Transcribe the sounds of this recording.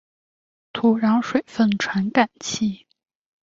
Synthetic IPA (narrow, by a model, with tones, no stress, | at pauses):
t̪ʰu˨˩ɻɑ˧˥ŋʂwe˨˩ɪfə˥˧nʈ͡ʂʰwa˧˥nka˨˩nt͡ɕʰi˥˩